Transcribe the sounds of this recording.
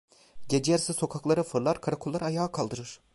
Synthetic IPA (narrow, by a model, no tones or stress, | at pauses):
ɟed͡ʒejaɾsɯso̞kʰaklˠaɾɯfɯɾlˠaɾkʰaɾakʰolːˠaɾaajaːkʰalˠd̪ɯɾɯɾ̥